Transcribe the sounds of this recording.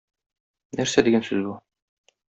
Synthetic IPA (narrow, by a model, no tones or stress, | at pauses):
næɾsɛd̪iɡænsyzbu